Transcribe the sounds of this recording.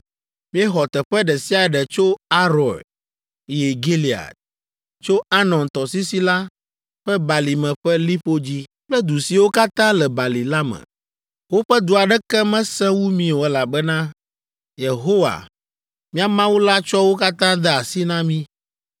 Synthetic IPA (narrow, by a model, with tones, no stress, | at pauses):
mĩ˦ɛ˦xɔ˨t̪ɛ˨ɸɛ˦ɖɛ˨si˦a˨ɖɛ˨t͡ʃo˦a˦ɾɔ˨l | i˨e˨ɡe˦li˨a̰˨t̪̚ | t͡ʃo˦a˦nɔ̃˨nt̪ɔ˨si˦si˦la˦ | ɸɛ˦ba˨li˨mɛ̃˨ɸɛ˦li˦ɸo˦d͡ʑi˦k͡plɛ˦d̪u˨si˨wo˦ka˦t̪ã˦lɛ˨ba˨li˨la˦mɛ̰̃˨ | wo˦ɸɛ˦d̪u˨a˨ɖɛ˦kɛ˦mɛ̃˦sɛ̃˦wu˦mĩ˦o˨ɛ˨la˨bɛ˦nã˦ | je˨ɦo˦wa̰˨ | mĩ˦a˨mã˦wo˦la˦t͡ʃɔ˦wo˦ka˦t̪ã˦d̪ɛ˦a˨si˦nã˦mĩ˦